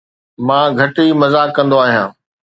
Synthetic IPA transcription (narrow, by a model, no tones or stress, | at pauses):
mãːɡʱɐʈimɐzaːkːɐ̃nd̪oaːɦijãː